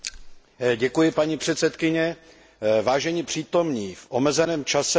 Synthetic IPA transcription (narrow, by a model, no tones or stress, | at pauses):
ɟɛkujɪpaɲipr̥ɛt̪sɛt̪kɪɲɛ | vaːʒɛɲipr̥iːt̪o̞mɲiːfʔomɛzɛnɛːmt͡ʃasɛ